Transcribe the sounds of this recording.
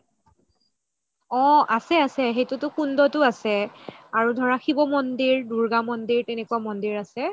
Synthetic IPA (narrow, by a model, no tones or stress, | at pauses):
ɔ̃asɛasɛɦejtʊtʊkundɔtʊasɛaɹudʱɔɹaxʰibɔmɔndiɹduɹɡamɔndiɹtɛnɛkuwamɔndiɹasɛ